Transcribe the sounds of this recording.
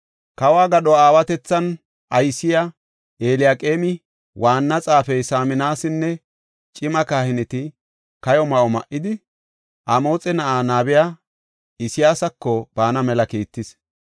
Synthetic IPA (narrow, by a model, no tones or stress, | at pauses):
kɐwaːɡɐɗɔaːwɐt̪ɛt͡sːɐn | ɐjsːɪja | ʔeːlɪjaːkʼe̞ːmɪ | waːnːɐt͡sʼaːfɛjsaːmɪnaːsɪnːɛ | t͡ʃʼɪmɐkaːhɪnɪt̪ɪ | kɐjɔmɐʔɔmɐʔːɪd̪ɪ | ʔɐmo̞ːt͡sʼɛnɐʔaːnaːbɪjaː | ɪsɪjaːsɐkːɔb̥aːnɐmɛlɐkiːt̪ːɪs